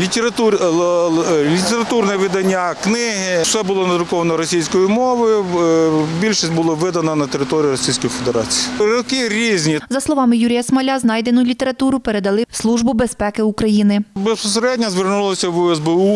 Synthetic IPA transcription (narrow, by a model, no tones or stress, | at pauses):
lʲit̪ʲeɾɐt̪u | lʲit̪eɾɐt̪urnɛʋɪd̪ɐnʲːaknɪɦɪsɛbʊlˠɔnɐd̪ɾʊkɔʋɐnɔɾɔsʲijsʲkɔjimɔʋɔjʊ | bʲilʲʃisʲtʲbʊlˠɔʋɪd̪ɐnɐnɐt̪eɾɪt̪ɔɾʲijiɾɔsʲijsʲkɔjifʲed̪eɾɑ̰t͡sʲijiɾɔkɪɾʲizʲnʲizɐslˠɔʋɑmɪjuɾʲijɐsmɐlʲaznɑjd̪enʊlʲit̪eɾɐt̪uɾʊpeɾed̪ɐlˠɪslˠuʒbʊbespɛkɪukɾɐjinɪbespɔseɾɛdʲnʲɐzʋɪrnulˠɔsʲɐʋuɛzbɛu